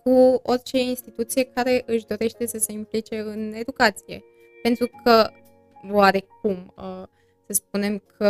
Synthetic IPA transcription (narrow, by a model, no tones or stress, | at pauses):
kuo̞rʲt͡ʃe̞inst̪it̪ut̪sije̞kaɾe̞ʔɨʃd̪o̞ɾe̞ʃt̪e̞səse̞implit͡ʃe̞ɨne̞d̪ukat̪sije̞̰ | pe̞nt̪ɾukʰə | oaɾe̞k̚um | səsp̚une̞mkʰə